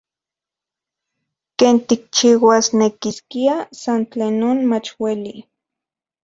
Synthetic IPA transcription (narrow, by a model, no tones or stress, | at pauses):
keːnt̪ik̚t͡ʃiːwasnekiskiasant͡ɬeːnːoːnmat͡ʃweli